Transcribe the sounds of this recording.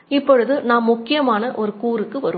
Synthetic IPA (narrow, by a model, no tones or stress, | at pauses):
ɪpːɔɻɯðɯnãːmːʊkːɪjɐmaːnɐʔɔɾɯkuːɾɯkːɯʋɐɾɯ